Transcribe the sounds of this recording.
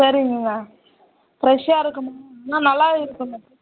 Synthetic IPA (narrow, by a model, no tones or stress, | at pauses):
sɐɾɪŋɡɐŋɡɐ | pɾɛʂaːɪɾɯkːɯmɐnaːnɐlːaːɪɾɯkːɯmɐ